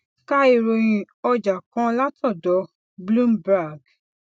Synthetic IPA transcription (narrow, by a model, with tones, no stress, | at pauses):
ka˦i˧ɾo˧j̃ĩ˧ | ɔ˧d͡ʒa˨kã˨˦la˦tʰɔ̃˦˨dɔ˨˦ | blũ˦mba˦˨ɡ